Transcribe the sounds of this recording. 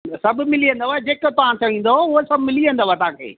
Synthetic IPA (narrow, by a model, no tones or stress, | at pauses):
sɐbmɪliə̃nd̪oʋaːed͡ʑeːkt̪ɐʋ̤ãt̪ʰiəʋĩːnd̪oʊɦosɐbmɪliə̃nd̪əʋaːt̪ʊɦãkʰḛː